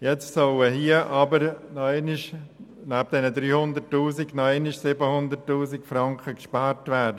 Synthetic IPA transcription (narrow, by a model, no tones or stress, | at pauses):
jɛt͡stsɔləɦiəʔɑbəɾnɔenɪʃ | nɛb̚d̥ɛnədɾyːhʊndəɾtːuːsiknɔenɪʃsɪbəhʊndəɾtːuːzikfɾɑŋkχəkʃpɑːɾtʋɛːdə